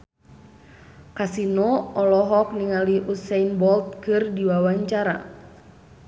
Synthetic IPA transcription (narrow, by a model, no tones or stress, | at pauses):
kasinɔɔlɔɦɔk̚niŋaliʔusɛjnbɔlt̪̚kɨrdiwawaɲt͡ʃaɾa̰